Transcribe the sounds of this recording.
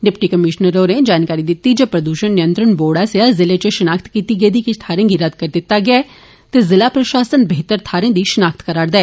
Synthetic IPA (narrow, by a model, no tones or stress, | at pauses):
ɖɪpʈiːkəmɪʃnəɾoːned͡ʒaːnkaːɾid̪it̪ːid͡ʒəpɾəd̪uːʃənːɪjə̃nt̪ɾənboːɽaseazɪlet͡ʃeʃənaːkʰt̪kiːt̪iɡeːd̪iːkit̪ʰaːɾẽːɡiɾɐd̪kəɾd̪ɪt̪ːaɡɪaɛ | t̪ezɪlaːpɾɐʃaːsənbeɦːt̪əɾt̪ʰaːɾẽːd̪iʃənaːk̚t̪kəɾaːɾd̪aɛː